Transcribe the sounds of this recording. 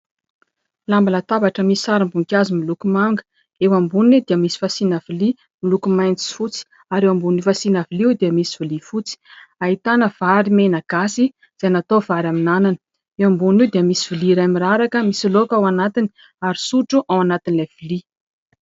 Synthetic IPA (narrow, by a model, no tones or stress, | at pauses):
lambalat̪avaʈ͡ʂəmisi̥saɾambuŋkʲazimilukumaŋɡə̥ | ewambunid̪iəmisi̥fasinavili | milukumajnt͡si̥fut͡si̥ | aɾewambunifasinaviliwd̪iəmisivilifut͡si̥aɦit̪anəv̥aɾimenaɡ̥asi | z̥anat̪ovaɾaminananə̥ | ewambuniwd̪iəmisiviliɾamiɾaɾakəmisilokawanat̪ini | aɾisuʈ͡ʂuʔawanat̪inilav̥ili